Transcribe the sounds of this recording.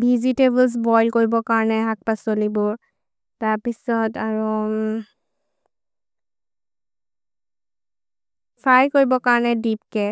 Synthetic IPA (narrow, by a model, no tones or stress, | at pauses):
bʱizitebls̬bɔjlkoɹibɔkaɹɔnɛɦak̚pasolibɔ | taɹpisɔtaɹu | pʰajkoɹibɔkaɹnɛdipkɛ